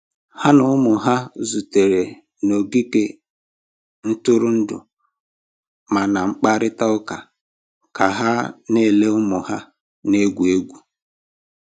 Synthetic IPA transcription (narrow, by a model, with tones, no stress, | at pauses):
ha˦nʊ˦ʊ˦mʊ˨ɦa˦zu˨te˨ɾe˨ | no˨ɡi˦ke˦ | n̩˦tʊ˦ɾʊ˦n̩˦dʊ̰˨ | ma˨na˨ŋ͡m̩˦k͡pa˦ɾɪ˦ta˦ʊ˦ka˨ | ka˨ɦa˦ne˦˨le˦ʊ˦mʊ˨ha˦ | ne˦ɡʷu˨e˦ɡʷu˨